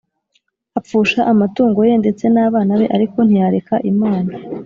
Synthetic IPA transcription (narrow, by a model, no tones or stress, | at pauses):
ap̪p͡fuːʃaʔamatuːŋɡo̞je̞nde̞t͡se̞naːβaːnaβe̞ʔaɾiko̞n̥ijaɾekaʔimaːna